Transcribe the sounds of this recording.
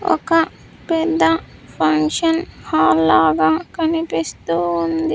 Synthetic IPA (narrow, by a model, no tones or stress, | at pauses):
ɔ̰kɐ | pɛd̪ːɐpʰɐŋkʂɐnhaːlːaːɡaːkɐnipist̪uːnd̪i